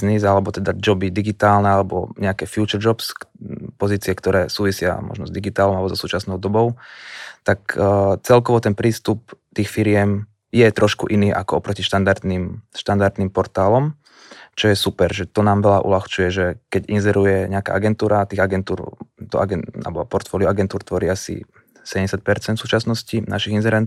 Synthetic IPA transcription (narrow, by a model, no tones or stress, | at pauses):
znizalɛbɔt̪ɛd̪ad͡ʒɔbid̪iɡit̪aːlnɛalɛbɔ̰ɲɛakɛfjut͡ʃɛɾd͡ʒɔpskpɔziːt͡siɛkt̪ɔɾɛːsuːʋisɪa̰mɔ̰ʒnɔzd̪iɡit̪aːlɔmalɛbɔzɔsuːt͡ʃasnɔʊd̪ɔbɔʊt̪akt͡sɛlkɔʋɔt̪ɛnpɾiːst̪up̚t̪iːxfiɾɪɛm | jɛt̪ɾʔɔʃkṵʔiniːʔa̰kɔɔpɾɔciʃt̪and̪aɾd̪niːmʃt̪and̪aɾd̪niːmpɔɾt̪aːlɔm | t͡ʃɔjɛsupɛɾʒɛt̪ɔnaːmʋɛlaʔṵlaxt͡ʃujɛʒɛkɛɟinzɛɾujɛɲɛaka̰ːaɡɛnt̪uːɾat̪iːɣaɡɛnt̪uːɾt̪ɔ̰ʔa̰ɡɛa̰bɔpɔɾt̪fɔːliuaɡɛnt̪uːɾt̪ʋɔɾiasḭ | sɛɟɛɲɛsjat̪̚pɛɾt͡sɛnd̪suːt͡ʃasnɔscina̰ʃiɣinzɛɾɛn